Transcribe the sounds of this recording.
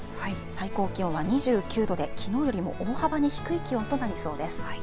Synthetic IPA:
saiko̞ːkʲĩβaɲ̟iʑɨːkʲɨːd̪o̞d̪e̞kʲino̞ːjo̞ɾʲimo̞̰ʔoːhabaɲ̟içi̥kɯ̟ikʲiot̪o̞naɾʲiso̞ːd̪e̞sɨ̥

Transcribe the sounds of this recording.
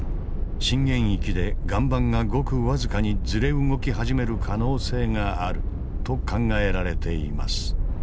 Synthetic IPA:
ɕĩŋɡẽ̞ɰ̃ikʲid̪e̞ɡãmbãŋɡaɡo̞kɯ̟βazɨkaɲ̟id͡zɨɾe̞ɯŋo̞kʲiɦaʑime̞ɾɯ̟kʰano̞ːse̞ːŋaːɾɯ̟ | t̪o̞kãŋɡae̞ɾaɾe̞t̪e̞ḭma̰sɨ̥

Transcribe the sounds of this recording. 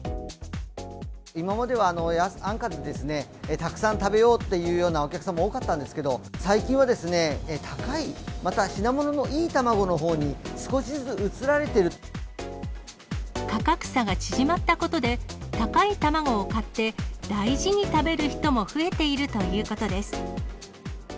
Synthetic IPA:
imamad̪e̞βaːno̞jasãŋkad̪ed̪e̞sɨne̞ | t̪akɯ̟̥sãnt̪abe̞jo̞ːt̪ːe̞jɯ̟ːjo̞ːnaokʲakɯ̟̥samaoːkat̪ːãnd̪e̞sɨ̥ked̪o̞saikʲĩɰ̃ad̪e̞sɨne̞t̪ʰakaimat̪aɕinamo̞no̞no̞ʔiːt̪amaɡo̞no̞ɦo̞ːɲ̟isɨ̥ko̞ɕizɨɯt͡sɨɾaɾe̞t̪e̞ɾɯ̟ | kakakɯ̥saɡat͡ɕiʑimat̪ːako̞t̪o̞d̪e̞t̪akait̪amaɡo̞ːkat̪ːe̞d̪̥aiʑiɲ̟it̪abe̞ɾɯ̟çi̥t̪o̞mo̞ɸɯ̟e̞t̪e̞iɾɯ̟t̪o̞jɯ̟ːko̞t̪o̞d̪e̞sɨ̥

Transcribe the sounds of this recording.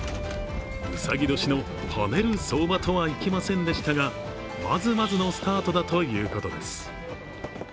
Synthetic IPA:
mɯ̟sa̰ɡʲid̪o̞ɕino̞ | ha̰ne̞ɾɯ̟so̞ːbat̪o̞βaikʲimasẽ̞nd̪e̞ɕi̥t̪aɡa | ma̰zɨmazɨno̞sɨ̥t̪aːt̪o̞d̪at̪o̞jɯ̟ːko̞t̪o̞d̪e̞sɨ̥

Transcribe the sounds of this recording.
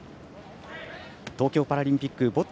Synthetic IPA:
t̪o̞ːkʲo̞ːpaɾaɾʲĩmpʲikːɯbo̞t̪

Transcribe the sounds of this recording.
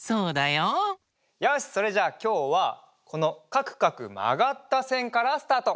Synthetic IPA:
soːd̪ajo | jaɯɕi̥so̞ɾe̞ʑaːkʲo̞ːβa | kʰo̞no̞kakɯ̟̥kakɯ̟ma̰ɡat̪ːasẽ̞ŋkaɾasɨ̥t̪aːt̪o̞

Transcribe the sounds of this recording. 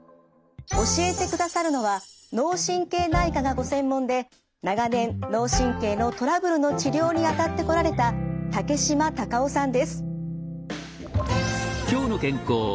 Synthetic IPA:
o̞ɕie̞t̪e̞kɯ̟d̪asaɾɯ̟no̞βano̞ːɕĩŋke̞ːnaikaɡaɡo̞sẽ̞mːõ̞nd̪e̞ | naɡanẽ̞nːo̞ːɕĩŋke̞ːno̞t̪o̞ɾabɯ̟ɾɯ̟no̞t͡ɕiɾʲo̞ːɲ̟iat̪at̪ːe̞ko̞ɾaɾe̞t̪at̪ake̞ɕimat̪akaosãnd̪e̞sɨ̥ | kʲo̞ːno̞kẽ̞ŋkoː

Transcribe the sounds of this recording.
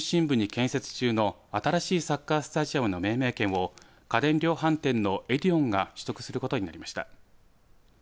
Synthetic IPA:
ɕĩmbɯ̟ɲ̟ikẽ̞ɰ̃se̞t͡sɨ̥t͡ɕɨːno̞ | at̪aɾaɕiːsakːasɨ̥t̪aʑiamɯ̟no̞me̞ːme̞ːkẽ̞ɰ̃o̞ | kad̪ẽ̞nɾʲo̞ːɦãnt̪ẽ̞nːo̞ʔeɾʲiõ̞ŋɡaɕɨ̥t̪o̞kɯ̟̥sɨɾɯ̟ko̞t̪o̞ɲ̟inaɾʲimaɕi̥t̪a̰

